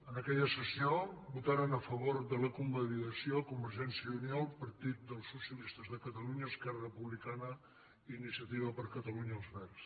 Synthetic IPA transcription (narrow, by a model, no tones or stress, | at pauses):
ənəkɛʎəsəsiobut̪aɾənəfəβoɾðələkumbəliðəsiokumbəɾʒɛnsiəunialˠpəɾt̪it̪̚d̪əlˠsːusiəlist̪əzðəkət̪əluɲəːskɛrərəpuβlikanə | inisiət̪iβəpəɾkət̪əluɲəːlˠzβɛrs